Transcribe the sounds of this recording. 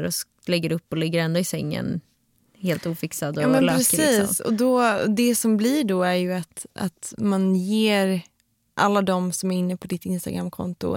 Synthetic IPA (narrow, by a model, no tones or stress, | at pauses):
ɾɔs | lɛɡːəɾɵpːɔlɪɡːəɾɛnd̪ʊɪsɛŋːə̰n | heːlt̪uːfɪksad̪ɔːmɛnlœɾɛsiːsɔ̰d̪ɔd̪ɛsɔmbliɖɔæɾjɵat̪a̰t̪manjeːɾ | ʔalːad̪ɔmsɔmæɾɪnːəpʰɔd̪ɪt̪ːɪnst̪a̰ɡɾamːkʰɔ̰nt̪ʊ̰